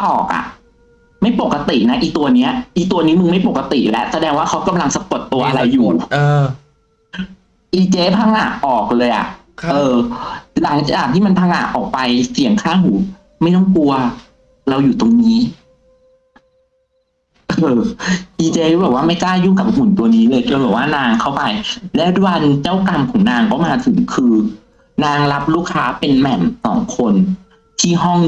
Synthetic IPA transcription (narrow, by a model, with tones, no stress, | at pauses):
ʔɔː˨˩k̚ʔa̰˨˩ʔ | ma˥˩jpo˨˩kːa˧t̪i˨˩na˦˥ʔiː˨˩k̚t̪u˧ɐniː˦˥ɐ˩ʔiː˨˩k̚t̪u˧ɐniː˦˥mɯ˧ŋma˥˩jpo˨˩kːa˧t̪ḭ˨˩lɛ˦˥ʔsa˧dɛː˧ŋwaː˥˩kʰa˦˥wka˧mla˧ŋsa˧po˨˩t̪ːu˧ɐʔa˧ɾa˧jːuː˨˩˧ | ʔiː˧t͡ɕeː˦˥pʰa˧ŋʔa̰˨˩ʔɔː˨˩k̚lɤː˧jʔa̰˨˩ʔ | ʔɤː˧la˩˦ŋt͡ɕaː˨˩k̚t̪ʰiː˥˩ma˧npʰaː˧ŋʔa̰˨˩ʔʔɔː˨˩k̚pa˧jsi˩˦əŋkʰaː˥˩ŋɦuː˩˦ | ma˥˩jt̪ɔ˥˩ŋku˧ɐ | ɾa˧wjuː˨˩t̪o˧ŋniː˦˥ | ʔɤː˧ʔiː˧t͡ɕe˧˥˩bɛː˨˩p̚waː˥˩ma˥˩jklaː˥˩juː˥˩ka˨˩p̚mu˨˩˦nt̪u˧ɐniː˦˥lɤː˧jtu˧bɛː˨˩waː˥˩naː˧ŋkʰa˥˩wpa˧jlɛː˦˥dwa˧nt͡ɕa˥˩wka˧mkʰɔː˩˦ŋnaː˧ŋkɔː˥˩maː˧t̪ʰɯ˨˩˦ŋkʰɯː˧ | naː˧ŋla˦˥p̚luː˥˩kʰaː˦˥pe˧nmɛ˨˩msɔ̰ː˩˦ŋkʰo˧n | t̪ʰiː˥˩ɦɔ˥˩ŋ